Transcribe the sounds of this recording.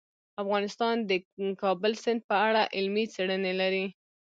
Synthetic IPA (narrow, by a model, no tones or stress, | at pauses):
afɣɑnɪst̪ɑnd̪əkɑbəlsɪnd̪̚pəaɽaʔɪlmit͡seɽənelaɾi